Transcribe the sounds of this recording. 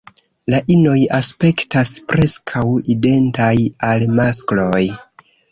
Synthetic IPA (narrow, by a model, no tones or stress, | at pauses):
laʔino̞jaspe̞ktaspɾe̞skʰawide̞ntajalmasklo̞j